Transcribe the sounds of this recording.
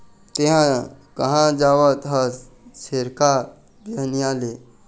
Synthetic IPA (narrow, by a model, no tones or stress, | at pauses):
t̪eɦãkəɦãd͡zaʋət̪ɦəs | seɾka | dəɦniale